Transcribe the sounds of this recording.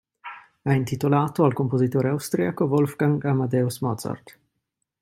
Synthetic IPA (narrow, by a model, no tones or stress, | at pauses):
ɛint̪it̪olaːt̪oalkompozit̪oːɾeawst̪ɾiakovolfɡaŋɡamad̪ɛosmɔd̪za̰rt̪